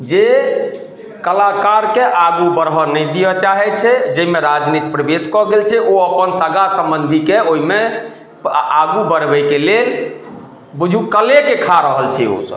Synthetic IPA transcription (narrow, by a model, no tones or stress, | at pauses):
d͡ʒe | kəlakaɾkeʔaɡubəɾɦənɛjd̪ijɔt͡ʃaɦɛt̪̚t͡ʃʰɛd͡ʒəimeɾad͡ʒnit̪pɾəbeskɔɡelt͡ʃʰɛʔoəpənsəɡasəmbənd̪ʱikeoɦime | aɡubəɾbɛkelel | bud͡ʒʱukəlekekʰaɾəɦəlt͡ʃʰɛo̰sə̰b